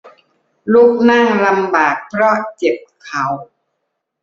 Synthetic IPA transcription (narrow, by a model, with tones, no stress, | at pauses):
lu˥˩k̚na˥˩ŋla˧mbaː˨˩k̚pʰɾɔ˦˥˩t͡ɕe˨˩p̚kʰa˨˩˦w